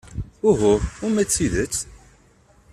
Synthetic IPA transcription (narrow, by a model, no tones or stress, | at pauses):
ʊɦʊɾʊmæt͡sːiðət͡sː